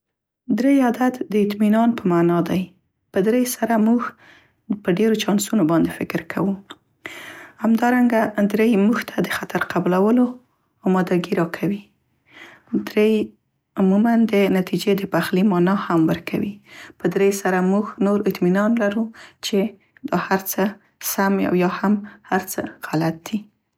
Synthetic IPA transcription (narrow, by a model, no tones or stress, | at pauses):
d̪ɾejad̪at̪d̪əɪt̪minɑnpəmanɑd̪aj | pəd̪ɾejsaɾamuɡ | pəɖeɾot͡ʃɑnsunobɑnd̪efɪkɾkʰawu | hamd̪ɑɾaŋɡad̪ɾejmuɡt̪ʰad̪əxat̪aɾqablawəlo | ɑmɑd̪aɡiɾɑkʰawi | d̪ɾej | ʊmumand̪ənat̪id͡ʒed̪əpaxlimɑnɑhamwəɾkʰawipəd̪ɾejsaɾamuɡnoɾɪt̪minɑnlaɾut͡ʃe | d̪̥ɑhaɾt͡sə | samja̰wjɑhamhaɾt͡sə̰ɣ̥alat̪̚d̪̥i